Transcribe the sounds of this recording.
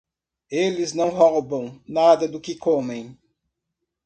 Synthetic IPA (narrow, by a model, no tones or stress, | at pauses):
elɪznɐ̃w̃ɦɔwbɐ̃w̃nad̪ɐd̪ʊkɪkõmẽj̃